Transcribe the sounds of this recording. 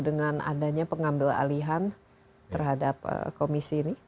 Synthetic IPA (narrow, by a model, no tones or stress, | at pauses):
dəŋana̰daɲapəŋambɪla̰liɦan | t̪ərɦadap̚ə̰komisini